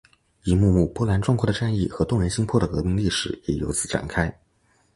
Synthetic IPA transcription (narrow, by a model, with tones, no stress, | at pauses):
i˧˥mu˥˧mu˥˩pwɔ˥la˧˥nʈ͡ʂwŋkʰwɔ˥˩d̪ə˩ʈ͡ʂa˥˧ni˥˩xɤ˧˥t̪ʊ˥˩ŋɻə˧˥nɕi˥ŋpʰwɔ˥˩d̪ə˩kɤ˧˥mi˧˥ŋli˥˩ʂɻ̩˨˩jɛ˨˩jo˧˥ʊt͡sɹ̩˨˩ʈ͡ʂa̰˨˩nkʰa˥ɪ